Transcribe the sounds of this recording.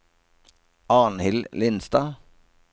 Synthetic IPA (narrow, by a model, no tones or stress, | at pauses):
ɑːnhɪllɪnst̪ɑː